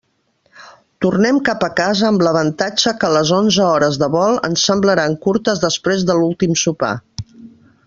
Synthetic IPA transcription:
t̪urnɛmkapəkazəːmləβənt̪ad͡ʒəkələzonzəɔɾəzðəβɔlˠə̰nsəmbləɾaŋkuɾt̪əzðəspɾezðəlulˠt̪imsupa̰

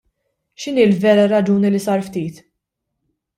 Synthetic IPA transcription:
ʃɪniːlvɛːɾɐɾɐd͡ʒuːnilɪsɐːɾft̪iːt̪

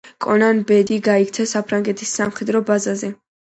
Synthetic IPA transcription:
kʼɔnanbɛd̪iɡaik̚ʰt̪sʰɛsapʰɾaŋɡɛt̪ʰisːamχɛd̪ɾɔbazazɛ

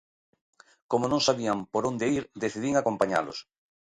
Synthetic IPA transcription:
komonõŋsaβiampoɾõnd̪eiɾðeθiðiŋakompaɲa̰lo̰s

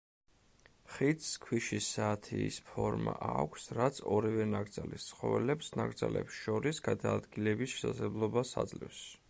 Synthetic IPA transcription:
χit̪skʰwiʃisaːt̪ʰiːspʰɔɾmaʔakʷʰsɾat̪sʰɔɾivɛnaɡɾd̪zalist̪sʰχɔvɛlɛpsnaɡd̪zalɛ̰psʃɔɾisɡ̥ad̪aːd̪ɡilɛbisʃɛ̥sazlɛblˠɔbasa̰d̪zlɛ̰fs

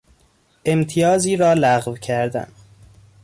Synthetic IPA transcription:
e̞mt̪ʰijɒːziːɾɒːlæɣvcʰæɾd̪æ̰n

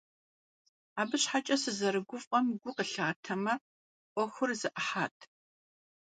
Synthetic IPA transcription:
aːbɨɕħat͡ʃʼɐsɨzɐɾɨɡʷʊfʼqʼɐmɡʷʊqəɬaːtʰɐmɐ | ʔʷʼɔxʷʊrzɨʔɐħaːtʰ

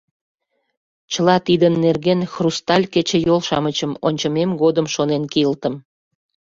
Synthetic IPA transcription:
t͡ɕəlɑt̪id̪ənːerɣenxrust̪ɑlʲket͡ɕĕjolʃɑmət͡ɕəmonʲt͡ɕəmemɡod̪əmʃonenkiəlt̪əm

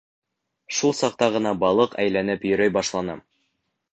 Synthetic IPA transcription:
ʃulˠsɑq̚t̪ɑʁɤ̆nɑbɑlˠɤqæ̰jlænɘpjɵ̆ɾæjbɑʃlˠɑnɤ̰m

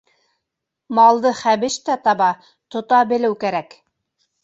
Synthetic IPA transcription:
mɑlˠd̪ɤχæβɘ̆ʃt̪æt̪ɑβɑ | t̪ŏt̪ɑbɘ̆lɘwkæɾæk

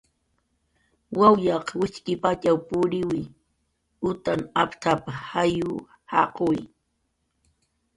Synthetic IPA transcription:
wawjɑqwɪt͡ʃkɪpat͡ʃawpʊɾɪwɪ | ʊt̪anapt̪apahajʊ | hɑ̰qoj

